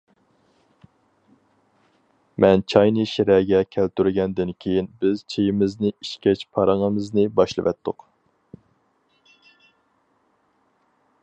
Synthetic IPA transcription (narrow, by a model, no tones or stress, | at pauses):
mɛnt͡ʃʰɑjnɨʃiɾɛɡʲɛkʲʰælt̪yɾɡʲɛnd̪ɪnkʲʰejinbɪz̥t͡ʃʰejimɪznɪiʃkʲɛt͡ʃpʰɑɾɨŋəmɨznɪbɑʃlˠɨ̰ʋɛ̰t̪ʰːʊq